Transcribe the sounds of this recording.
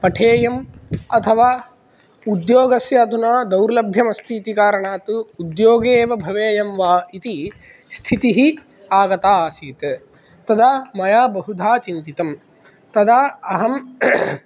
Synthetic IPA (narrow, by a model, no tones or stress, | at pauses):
pɐʈʰeːjɐmɐt̪ʰɐʋaː | ud̪joːɡɐsjaːd̪ʱunaːd̪ɐwɾlɐbʱjɐmɐst̪ʰiːt̪ikaːɾɐɳaːt̪uud̪joːɡeːʋɐbʱɐʋeːjɐmʋaːit̪ist̪ʰit̪iɦi | aːɡɐt̪aːsiːt̪ | t̪ɐd̪aːmɐjaːbɐɦud̪ʱaːt͡ʃint̪it̪ɐm | t̪ɐd̪aːɐɦɐm